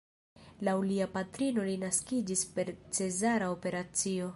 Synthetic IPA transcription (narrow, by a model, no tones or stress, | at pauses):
lawuliapatɾino̞linaskid͡ʒispe̞ɾt͡se̞zaɾaope̞ɾat͡sio̞